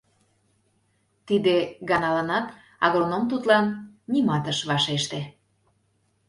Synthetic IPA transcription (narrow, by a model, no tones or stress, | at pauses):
t̪id̪eɡɑnɑlənɑt̪ | ɑɣronomt̪̬ut̪lɑnːimɑt̪əʃβɑʃeʃt̪e